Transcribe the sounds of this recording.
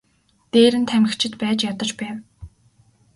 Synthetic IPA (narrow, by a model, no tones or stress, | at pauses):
t̪eːɾɘ̆nt̪ʰæmɪ̆xt͡ɕʰɪ̆t̪pæːt͡ɕjat̪ɞ̆t͡ɕpæːw